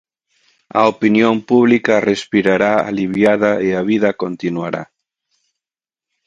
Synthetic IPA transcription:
a̰opinjõmpuβlikarespiɾaɾaa̰liβjað̞aeaβ̞iðakont̪inwaɾa̰

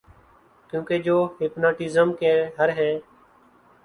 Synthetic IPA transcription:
kjũːkeːd͡ʒoːɦiːpnaːʈɪːzəmkeːɦəɾɦɛ̃ː

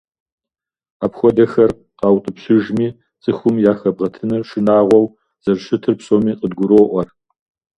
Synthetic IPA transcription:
aːpxʷɔdɐxɐr | qɑːwtʼɨpɕɪʒmiː | t͡sʼɨxʷʊmjaːxɐbʁɐtʰɨnɨʂɨnaːʁʷɔw | z̥ɐrʂɨtʰɨrpsʼoːmiːqʼədɡʷʊɾoːʔʷɔr

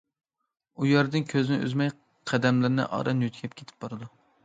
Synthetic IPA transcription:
ujɛɾd̪ɪnkʲʰøzɪnɪʔy̰zmɛj | qʰæd̪ɛmlɪɾnɪ̰ʔɑ̰ɾɑnjyt̪ʰɡʲʰɛp̚kʲʰe̥t̪ʰɪ̥p̚bɑɾɨd̪u

